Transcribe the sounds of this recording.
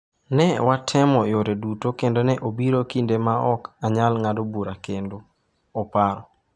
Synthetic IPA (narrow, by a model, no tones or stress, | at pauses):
nɛwatʰɛmɔjoɾedutokendonɛʔobiɾokindemaɔkaɲalŋadobuɾakendo | ɔpaɾɔ